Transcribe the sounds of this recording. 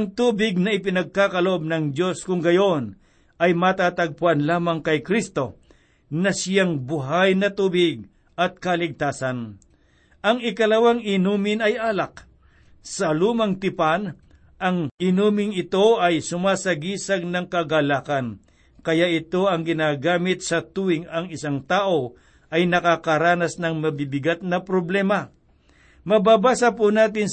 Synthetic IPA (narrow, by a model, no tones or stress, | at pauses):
ɐŋt̪uːbɪɡ̚nɐɪp̬ɪnɐɡ̚kaːkɐloʔo̞b̚nɐŋd͡ʒo̞skʊŋɡɐjo̞n | ʔɐjmɐt̪at̪ɐɡ̚pʊʔanlaːmɐŋkɐjkɾist̪o̞ | nɐsɪjaŋbʊɦajnɐt̪uːbɪɡ̚ | ɐt̪̚kɐlɪɡ̚t̪aːsɐn | ʔɐŋɪkɐlɐwaŋɪnuːmɪnɐjʔaːlɐk̚ | sɐluːmɐŋt̪ɪpan | ʔɐŋɪnuːmɪŋɪt̪o̞ʔɐjsʊmaːsɐɡiːsɐɡ̚nɐŋkɐɡalaːkɐn | kɐjaʔɪt̪o̞ɐŋɡɪnaːɡaːmɪt̪̚sɐt̪uːwɪŋɐŋɪsaŋt̪aːʔo̞ | ʔɐjnɐkakɐɾaːnɐsnɐŋmɐbɪbɪɡat̪̚nɐpɾoblɛːmɐ | mɐbaːbaːsɐpʊnaːt̪̬ɪn